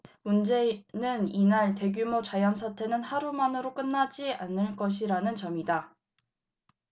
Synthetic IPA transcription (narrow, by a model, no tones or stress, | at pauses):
mund͡ʑe̞nɯninaɭte̞ɡjumot͡ɕajʌnsʰatʰe̞nɯnhaɾumanɯɾok͈ɯnːad͡ʑianɯɭk͈ʌɕ̬ʰiɾanɯnt͡ɕʌmida